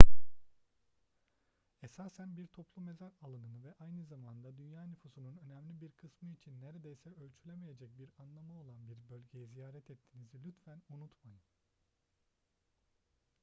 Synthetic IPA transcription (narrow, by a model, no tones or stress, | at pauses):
esaːsænbiɾt̪ʰo̞plˠume̞zaɾalˠɯnɯnɯvɛʔajnɯzamand̪ad̪ynjaːnyfusununø̞nɛmlʲibiɾkʰɯsmɯit͡ʃʰinːeɾed̪ejsɛʔø̞lʲt͡ʃʰylʲe̞me̞je̞d͡ʒɛc̚biɾanlˠamao̞lˠanbiɾbø̞lʲɟe̞jɛzijaːɾɛt̪ʰɛt̪ʰːinizilʲyt̪fænunut̪majɯm